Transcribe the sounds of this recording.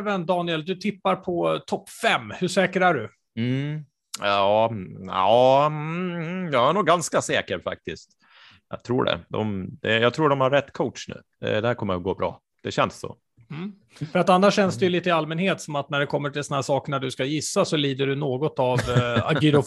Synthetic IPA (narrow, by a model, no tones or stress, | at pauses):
vɛnd̪ɑːnɪɛld̪ɵt̪ʰɪpːaɾpʰɔt̪ʰɔpːfɛmːhɵʂɛːkəɾæɖɵ | m̩ | ɑːɑː | jɑɛnuːɡːanskasɛːkəɾfa̰k̚t̪ɪst̪ | jɑ̰t̪ʰɾṵːɖɛ̰d̪ɔ̰md̪ɛjɑɡt̪ʰɾuːɖɔmhaɾːɛt̪ːkʰɔʊʈʂnʉ̟̰ːd̪ɛ̰d̪ɛhæɾkʰɔmːə̰ɾɡoːbɾɑ̰ː | d̪̥ɛɕɛnsːo̰ː | m̩ː | fœɾat̪anːaʂɕɛnsd̪ɛjɵliːt̪əɪalmɛnheːt̪sɔmat̪næɖɛkʰɔmːəʈʰɪlsɔnhæsɑːkəɳaɖɵskajɪsːasɔliːd̪əɖɵnoːɡɔt̪ava̰ɡiɾʊ